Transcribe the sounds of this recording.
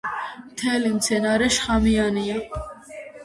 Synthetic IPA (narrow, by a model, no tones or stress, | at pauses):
t̪ʰɛlimt͡sʰɛnɑɾɛʃχɑmijɑnijɑ